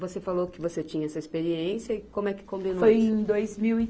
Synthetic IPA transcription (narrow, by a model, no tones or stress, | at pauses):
vosefalokɪvoset͡ʃĩɲɐɛsɐispeɾiẽsjɐɪkõmʊɛkɪ̥kõmbinofojẽd̪ojzmiwi